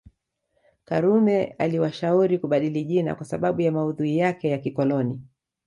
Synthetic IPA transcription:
kaɾumɛa̰liwaʃauɾikuɓaɗiliʄina̰kwasaɓaɓujamauðuijakɛjakikɔlɔni

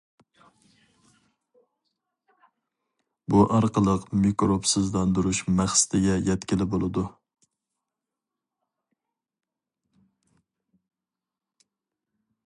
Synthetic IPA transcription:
buʔɑɾqəlˠəqmikɾopsɪzlɑnd̪uɾuʃmæχsɪ̥t̪ʰɪɡʲɛjɛt̪kʲɪlɪbolˠɨd̪u

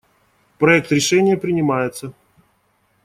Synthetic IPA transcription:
pɾɐɛk̚t̪ɾʲɪʂɛnʲɪjəpɾʲɪnʲɪmajɪt̪sə

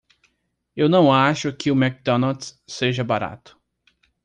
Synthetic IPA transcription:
ewnɐ̃w̃aʃʊkɪʊmɛk̚d̪ɔnot̪seʒɐbaɾa̰t̪ʊ̥

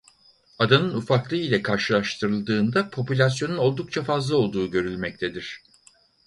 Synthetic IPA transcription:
ad̪anɯnufaklˠɯilʲɛkʰaɾʃɯlˠaʃt̪ʰɯɾɯlˠd̪ɯːnd̪apʰo̞pulʲas̬jo̞nuno̞lˠd̪uk̚t͡ʃʰafazlˠao̞lˠd̪uːɟø̞ɾylʲmɛc̚t̪ʰed̪iɾ̝̥

